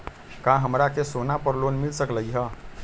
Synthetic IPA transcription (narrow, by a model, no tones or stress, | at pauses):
kãɦəmɾakesonapəɾlonmilsəkləjɦə